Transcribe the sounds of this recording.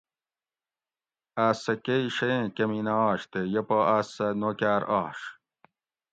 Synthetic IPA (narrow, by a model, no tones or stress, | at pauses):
aːsɐkeiɕeẽkɐminaːɕt̪ejɐpoaːsɐnokaːɾaːɕ